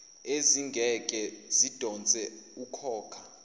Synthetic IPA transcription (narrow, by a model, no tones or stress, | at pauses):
eziŋɡʱɛkʼɛzid̥ʱɔnt͡sʼɛukʰɔːkʰa